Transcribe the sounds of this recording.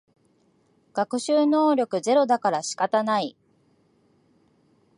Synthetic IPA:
ɡ̥akɯ̟ɕɨːno̞ːɾʲo̞kɯ̟ze̞ɾo̞d̪akaɾaɕi̥kat̪anai

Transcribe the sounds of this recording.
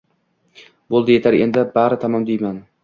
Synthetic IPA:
bolˠd̪ɪje̞t̪ʰaɾe̞̰nd̪ɪbaɾɪt̪ʰamɒmd̪ejman

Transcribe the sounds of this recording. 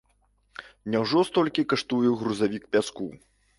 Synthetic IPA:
nʲawʐɔst̪ɔlʲkʲikaʂt̪ujɛɣɾuzavʲik̚pʲasku

